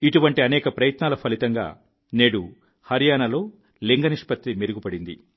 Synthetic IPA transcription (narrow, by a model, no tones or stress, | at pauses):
iʈuʋɐɳʈiɐnɛːkɐpɾɐjɐt̪naːlɐpʰɐlit̪ɐŋɡa̰ː | neːɽu | hɐɾijaːnɐlo̞ː | leŋɡɐniʂpɐt̪ːimeɾuɡupɐɽind̪ḭ